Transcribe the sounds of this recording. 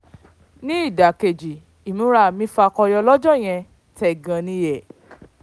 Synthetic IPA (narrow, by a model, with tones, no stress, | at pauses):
nĩ˦i˦˨da˨ke˨d͡ʒi˨ | i˨mũ˨˦ɾa˦˨mĩ˧˦fa˧kɔ˧jɔ˧lɔ˦d͡ʒɔ˦˨j̃ɛ̃˧ | tɛ˦˨ɡã˧nĩ˧˦jɛ˨